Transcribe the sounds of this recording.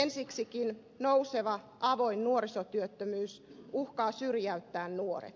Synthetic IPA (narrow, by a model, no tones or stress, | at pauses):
ensiksikin | nouseʋɑ | ʔɑʋoinnuoɾisot̪yøt̪ːømyːsuhkɑːsyrjæyt̪ːæːnnuorḛt̪